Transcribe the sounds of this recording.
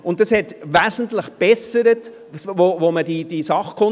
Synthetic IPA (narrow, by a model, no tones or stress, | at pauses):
ʊnt̚d̥ɑshɛtʋæːzən̩tləχb̥ɛsəɾət | svovomədid̥isɑχkʰʊ